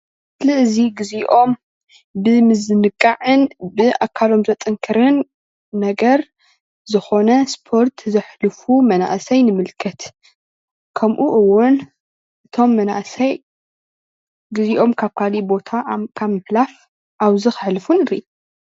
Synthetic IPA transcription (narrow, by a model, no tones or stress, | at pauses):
slɨʔziɡɨziʔo̞m | bɨmɨzɨnɨkʼːaʕɨnbɨʔakʰalo̞mzɐt̪ʼɨŋkʰɨɾɨnː | ɐɡɐɾ | zɨxo̞nɐspʰo̞ɾt̪ʰzɐħlɨfumɐna̰ʔsɐjnɨmɨlkʰɐt̪ | kʰɐmʔuʔɨwːʊn | ʔɨt̪ʰo̞mːɐna̰ʔsɐj | ɡɨziʔo̞mkʰaβkʰalibo̞t̪ʰakʰaβmɨħlaf | ʔaβzɨxɨħlɨfunɨɾi